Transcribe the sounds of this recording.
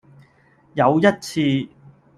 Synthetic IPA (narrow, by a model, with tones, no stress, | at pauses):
jɐ˨˧wjɐ˥t̚t͡sʰiː˧